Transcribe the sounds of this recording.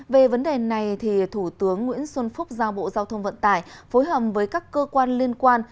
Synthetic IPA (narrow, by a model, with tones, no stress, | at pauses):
ve˨˩və˨˦nɗe˨˩na˨˩jt̪ʰi˨˩t̪ʰu˧˩t̪ɨ˨˦əŋːwḭ˧˥ənswə˧nfʊ˦˥k͡p̚zaː˧wɓo̰˧˨zaː˧wt̪ʰə˧wŋ͡mvə̰˧˨nt̪a̰ː˧˩˨jfo˨˦jɦəː˧˨˩p̚vəː˨˦jkaː˦˥kːəː˧kwaː˧nli˧ənkwaː˧n